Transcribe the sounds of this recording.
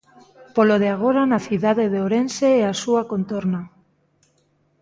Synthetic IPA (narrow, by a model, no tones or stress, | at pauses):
poloð̞eaɣ̞oɾanaθiðaðeðeoɾenseɛasuakont̪oɾna